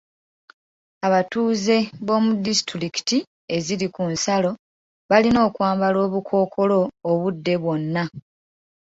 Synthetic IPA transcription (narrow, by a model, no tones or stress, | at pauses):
aβatuːze̞βo̞ːmudistɾiki̥ti | e̞zilikunsalo̞ | βalino̞ːkwaːmbalo̞ːβukʰo̞ːkʰo̞lo̞ːβudːe̞βwo̞nːa